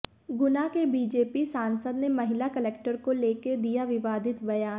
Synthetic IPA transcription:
ɡʊnakebiːd͡ʒeːpisaːnsəd̪nemɐɦɪlakɐlɛːk̚ʈəɾkoleːked̪ijaʋɪʋaːd̪ɪt̪bɐjaː

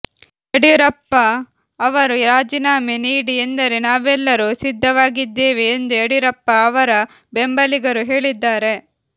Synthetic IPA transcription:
eɽiɾɐpːɐː | ʋɐɾuɾaːd͡ʒinaːmeniːɽie̞nd̪ɐɾenaːʋɛlːɐɾusid̪ʱːɐʋaːɡid̪ːeːʋeːnd̪ueɽiɾɐpːɐːʋɐɾɐ | be̞mbɐliɡɐɾuɦeːɭid̪ːaːɾe̞

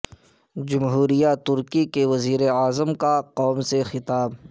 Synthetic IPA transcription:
d͡ʒʊmɦuːɾijat̪ʊɾkikeʋɐziːɾeaːzəmkaqɔːmsexɪt̪aːb

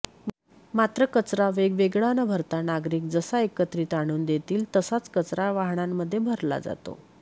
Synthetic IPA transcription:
mat̪ɾəkət͡sɾaʋeɡʋeɡɭanəbʱəɾt̪anaɡɾiːkd͡zəsaekət̪ɾiːt̪aɽ̃uːnd̪et̪iːlt̪əsat͡skət͡sɾaʋaɦɳ̃amːəd̪ʱːjebʱəɾla̰d͡za̰t̪o̰

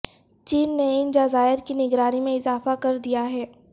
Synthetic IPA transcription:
t͡ʃiːnːeɪnd͡ʒɐzaːɪɾkinɪɡɾaːnimẽɪzaːfakɐɾd̪ijaɦɛː

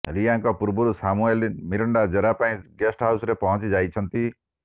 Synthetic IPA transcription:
ɾijaŋkɔpuɾbuɾusamuelimiɾɔɳɖad͡ʒeɾapaĩɡesʈɦawsɾepɔɦɔ̃t͡ʃid͡ʒajt͡ʃʰɔnt̪i

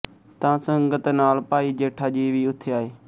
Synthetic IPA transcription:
t̪ãːsəŋɡət̪naːlpaːiːd͡ʒeːʈʰaːd͡ʒiːʋiːʊt̪ʰːeːaːeː

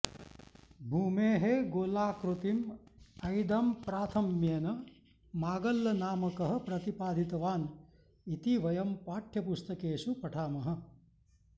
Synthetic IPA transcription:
bʱuːmeːɦeɡoːlaːkɾut̪imɐjd̪ɐmpɾaːt̪ʰɐmjɐnɐ | maːɡɐlːɐnaːmɐkɐɦɐ̆pɾɐt̪ipaːd̪ʱit̪ɐʋaːn | it̪iʋɐjɐmpaːʈʰjɐpust̪ɐkeːʃupɐʈʰaːmɐɦɐ̆

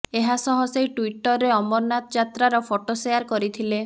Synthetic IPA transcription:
eɦasɔɦɔsejʈuiʈɔɾːeɔmɔɾnat̪ɔd͡ʒat̪ɾaɾɔpʰoʈosejaɾkɔɾit̪ʰile

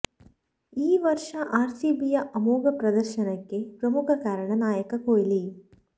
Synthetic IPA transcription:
iːʋɐɾʂɐʔaːɾsiːbijɐʔɐmoːɡɐpɾɐd̪ɐɾʃɐnɐkːepɾɐmukʰɐkaːɾɐɳɐnaːjɐkɐkoːjli

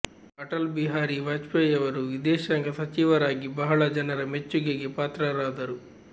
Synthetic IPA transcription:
ɐʈɐlbiɦaːɾiʋaːd͡ʒpɐjɐʋɐɾuʋid̪ɛːʃɐŋɡɐsɐt͡ʃiʋɐɾaːɡibɐɦɐɭɐd͡ʒɐnɐɾɐmet͡ʃːuɡeɡepaːt̪ɾɐɾaːd̪ɐɾu

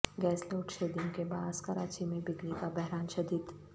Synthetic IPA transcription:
ɡɛːsloːʊʈʃeːd̪iõkebaːzkɐɾaːt͡ʃimẽbɪd͡ʒ̪likabɛɦɾaːnʃɐd̪it̪

